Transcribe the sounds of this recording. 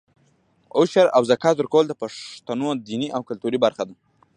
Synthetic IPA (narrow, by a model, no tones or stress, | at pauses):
ʊʃaɾa̰wzakɑzʊɾkowld̪əpaʂt̪anod̪iniʔawkʊlt̪uɾibaɾxad̪a